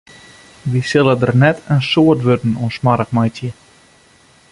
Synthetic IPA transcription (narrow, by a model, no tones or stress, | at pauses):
ʋisɪlˠədərnɛtʰənsoətʋødn̩unsmaɾəkmajtjə